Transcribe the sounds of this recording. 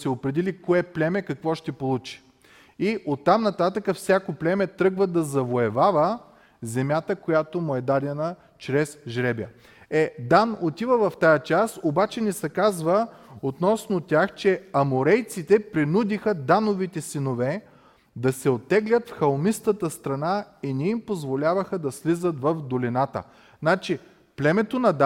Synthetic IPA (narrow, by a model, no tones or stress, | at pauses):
sɛopɾɛd̪ɛlikoɛplʲɛmɛkɐkvɔʃt̪ɛpolˠut͡ʃi̥ | iʔot̪ːamnɐt̪at̪əkəfsʲjakoplʲɛmɛt̪ɾɤɡvəd̪ɐzɐvoɛvavə | zɛmjat̪əkojat̪omʊɛd̪ad̪ɛnə | t͡ʃɾɛsʒɾɛbjə | ɛd̪anot̪ivəvɐft̪ajət͡ʃasobat͡ʃɛnɛsɛkazvəot̪nɔsnot̪ʲaxt͡ʃɛɐmoɾɛjt̪sit̪ɛpɾinud̪ixəd̪anovit̪ɛsinovɛ | d̪ɐsɛot̪ːɛɡlʲət̪fxɐlˠmist̪ət̪əst̪ɾɐnainɛimpozvolʲavəxəd̪ɐslizət̪vɐvd̪olʲinat̪ə̰ | nat͡ʃi | plɛmɛt̪onɐd̪